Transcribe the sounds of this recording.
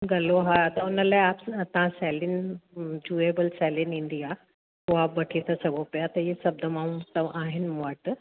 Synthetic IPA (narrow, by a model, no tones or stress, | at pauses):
ɡɐloɦat̪aunəlaaːpt̪ãsɛlind͡ʑuebəlsɛlinind̪ia | kuaːpbɐʈʰit̪ʰəsɐɡopjat̪ɐjisɐb̚d̪əmãt̪əʋʔaɦinʋəʈ